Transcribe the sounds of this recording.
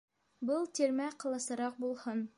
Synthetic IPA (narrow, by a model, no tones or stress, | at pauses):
bɤlˠt̪iɾmæqɤ̆lˠɤ̆sɤ̆ɾɑq̚bulˠhɤn